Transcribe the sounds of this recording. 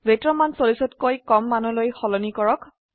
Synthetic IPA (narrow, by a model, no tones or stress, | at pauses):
betɹɔmansolisɔtkojkɔmːanɔlojxɔlɔnikɔɹɔk